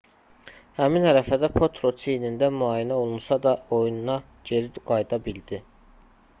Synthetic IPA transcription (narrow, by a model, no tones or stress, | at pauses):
hæminhæɾæfæd̪æpʰo̞t̪ʰɾo̞t͡ʃʰinind̪æmyɑːjinæo̞lˠunsɑd̪ɑo̞jununɑ | ɟe̞ɾiɡ̥ɑjd̪ɑbild̪i